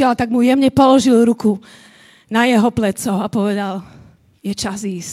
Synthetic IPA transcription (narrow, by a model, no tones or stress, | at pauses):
ɛlat̪aɡmujɛmɲɛpɔlɔʒilɾuku | najɛɦɔplɛt͡sɔʊapɔʋɛd̪al | jɛt͡ʃaziːs